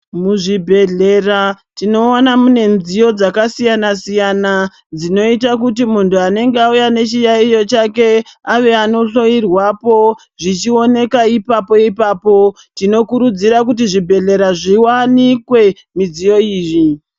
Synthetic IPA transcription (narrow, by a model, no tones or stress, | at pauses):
muʐibʱe̞ɮe̞ratino̞anamune̞nzijo̞d͡zakasijanasijana | d͡zino̞itakut̬imuntʰuane̞ŋɡeaujane̞t͡ʃijaijo̞t͡ʃake̞aʋe̞ano̞ɬo̞irwapo̞ | ʐit͡ʃio̞ne̞kaipapo̞ipaːpo̞ | tino̞kuɾud͡ziɾak̬ut̬iʐibʱe̞ɮe̞ɾaʐiwanikwe̞ | mid͡zijo̞iːʐi